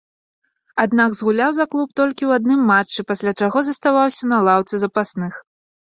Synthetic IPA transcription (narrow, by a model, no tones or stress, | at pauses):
ad̪naɡzɣulʲawzaklˠupt̪ɔlʲkʲiwad̪nɨmːat͡ʂːɨpasʲlʲat͡ʂaɣɔzɐst̪avawsʲɐnɐlˠawt̪sɨzɐpasnɨx